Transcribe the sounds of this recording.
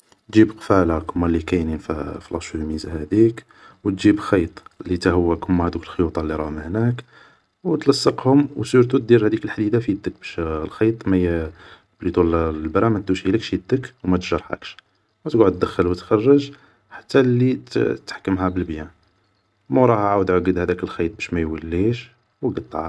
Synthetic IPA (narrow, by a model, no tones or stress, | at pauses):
t̪ʒibqfælakʊmːælːikæjnənfæfilɑʃumizahæd̪ik | wt̪ʒibxɑjt̪ˤlit̪æhəwːækʊmːæhæd̪ukəlxəjut̪ˤɑlːiɾˤɑməhnæk | wt̪lɑsˤːəqhʊmwsuɾt̪ut̪̚d̪iɾhæd̪ikəlħd̪id̪afid̪ːək̚bæʃlxɑjt̪ˤmæj | blit̪ˤullbɾæmæt̪̚d̪uʃiləkʃjəd̪ːəkwmæt̪ʒɑɾˤħa̰kʃ | wæt̪ɡʕʊd̪̚d̪əxːəlwət̪xɑrˤːəʒ | ħḁt̪ːælːit̪ħḁkːəmhæbəlbjæ | mæɾˤɑhaʕawəd̪ʕaɡəd̪hæd̪ækəlxɑjt̪̚ˤbæʃmæjwəlːiʃ | wɡəd̪ˤʕɑ̰